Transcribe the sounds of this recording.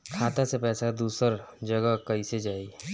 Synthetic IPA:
kʰaːt̪asepɛːsad̪uːsəɾd͡ʒəɡəkəised͡ʒaːi

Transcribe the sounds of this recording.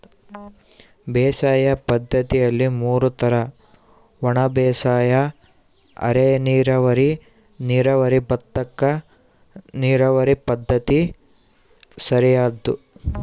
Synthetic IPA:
bɛːsaːjɐpɐd̪ʱːɐt̪ijɐlːimuːɾut̪ɐɾɐ | ʋɔɳɐbɛːsaːjɐ | ɐ̰ɾeniːɾɐʋɐɾi | niːɾɐʋɐɾibɐt̪ːɐkːɐ | niːɾɐʋɐɾipɐd̪ʱːɐt̪i | sɐɾijaːd̪ːu

